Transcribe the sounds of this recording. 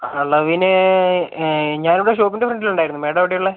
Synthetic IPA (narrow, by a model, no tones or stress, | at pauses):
ɐɭːɐʋinɨ | ɲaːnuɽeʂo̞ːpːindefrɐɳɖiluɳɖaːjiɾunːumeːɽɐʋiɽejuɭːe